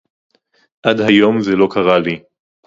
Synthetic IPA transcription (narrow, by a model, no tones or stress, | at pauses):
ʔadhajo̞mzelo̞kʰaʁali